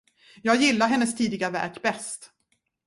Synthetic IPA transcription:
jɑːɡjɪlːaɾɦɛnːəst̪ʰiːd̪ɪɡavæ̰ɾkbɛst̪

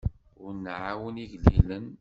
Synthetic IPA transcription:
ʊɾnʕawəniʝlilən

